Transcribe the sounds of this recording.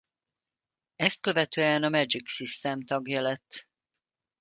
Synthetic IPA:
ɛst̪̚kø̞vɛt̪øːɛnɒmɛd͡ʒiksist̪ɛmt̪ɒɡjɛlɛt̪ː

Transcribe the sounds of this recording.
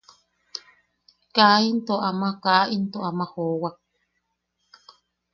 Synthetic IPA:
kaint̪oʔamakaʔint̪oʔamahowa

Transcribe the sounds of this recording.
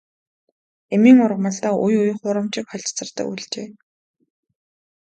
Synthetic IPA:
emiːŋʊrʁmə̆ɮt̪aːʔujuj̆χʊɾə̆mt͡ɕɪ̆kχɔɮʲt͡sə̆rt̪ə̰̆kṵɮt͡ɕeː

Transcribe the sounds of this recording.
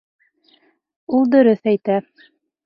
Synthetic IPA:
ulˠd̪ɵ̆ɾɵθæjt̪æ

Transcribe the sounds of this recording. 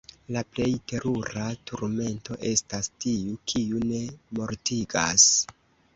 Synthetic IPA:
laple̞jte̞ɾʔuɾatʰuɾme̞nto̞ʔe̞stastiukʰiune̞mo̞ɾtiɡa̰s

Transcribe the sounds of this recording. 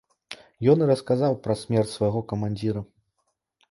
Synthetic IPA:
jɔniɾɐskazawpɾɐsʲmʲɛrtʲsvɐjɣɔkɐmanʲd͡zʲiɾɐ

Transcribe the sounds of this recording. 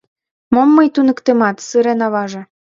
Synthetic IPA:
momːɤjt̪unə̆kt̪emɑt̪sɯɾenɑβɑʒĕ

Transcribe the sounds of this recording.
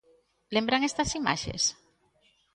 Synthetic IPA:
lembɾaŋest̪asima̰ʃḛs

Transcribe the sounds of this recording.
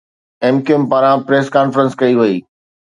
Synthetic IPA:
eːmkimpaːɾãpɾeːskaːnfɾə̃nskɐiʋɐiː

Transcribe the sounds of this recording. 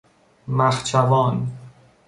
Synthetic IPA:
mæxt͡ʃʰævɒːn

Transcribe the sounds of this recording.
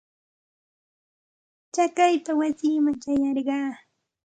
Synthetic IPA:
t͡ʃakajpawasɪːmaŋt͡ʃajɑɾɢɑː

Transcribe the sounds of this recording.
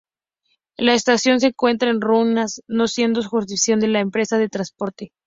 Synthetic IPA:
laest̪asjo̞ns̬e̞ŋkwe̞nt̪ɾaenrunasno̞sje̞nd̪osuxust̪ifisjo̞nd̪e̞laempɾe̞saðet̪ɾanspo̞ɾt̪e̞

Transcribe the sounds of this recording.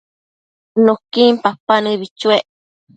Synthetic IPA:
nõkimpapanɨ̃βit͡ʃueʔ

